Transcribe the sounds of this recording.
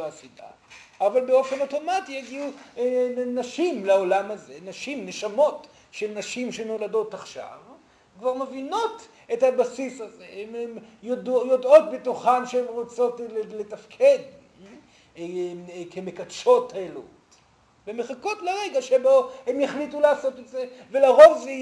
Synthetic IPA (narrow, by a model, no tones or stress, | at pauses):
asida̰ | avalbeo̞fe̞noto̞matijeɡiu | naʃimlao̞lamazenaʃimneʃamo̞t | ʃelnaʃimʃeno̞lado̞taχʃa̰v | kvaʁmevino̞t | ethabasisazeememjodjodo̞tbetuχanʃeemʁot͡so̞tletafkʰe̞d | kemekadʃo̞taelṵt | vemeχako̞tleʁeɡaʃebohemjaχlitulaːso̞tetzevelaʁo̞vzi